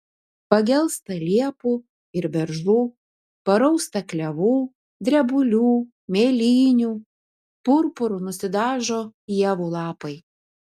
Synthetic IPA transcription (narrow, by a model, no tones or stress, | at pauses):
pɐɡʲɛlˠˑst̪ɐlʲiɛpuː | ɪɾbʲɛɾʒluː | pɐɾɐʊst̪ɐklʲɛʋuː | d̪ʲɾʲɛbʊlʲuː | mʲeːlʲiːnʲuː | pʊɾpʊɾʊnʊsʲɪd̪ɑːʒoːjiɛʋuːlˠɑːpɐɪ